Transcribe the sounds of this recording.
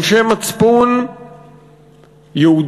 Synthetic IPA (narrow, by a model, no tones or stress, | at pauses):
ʃemat͡spun | jeud̪